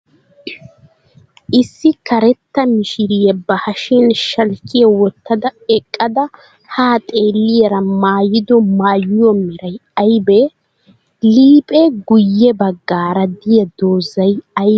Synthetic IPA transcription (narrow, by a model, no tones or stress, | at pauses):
ʔɪsːɪkɐɾɛt̪ːɐmɪʃɪɾɪjɛbɐhɐʃinʃɐlkːɪjɐwɔt̪ːɐd̪ɐɛkʼːɐd̪ɐ | haːt̪ʼe̞ːlːɪjɛɾɐmaːjɪd̪ɔmaːjɪjɔmɛɾɐjɐjbɛ | liːpʼɛɡʊjːɛbɐɡːaːɾɐd̪ɪjɐd̪oːzɐjɐj